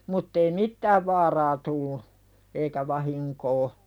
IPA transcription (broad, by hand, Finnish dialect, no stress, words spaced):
mutː ei mitːæːʋ ʋɑːrɑː tulːu eikæ ʋɑhiŋkoː